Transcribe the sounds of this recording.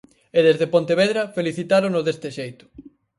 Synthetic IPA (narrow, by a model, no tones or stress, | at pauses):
eðezðepont̪eβeðɾɐfeliθit̪aɾonoðest̪ɪʃejt̪ʊ̥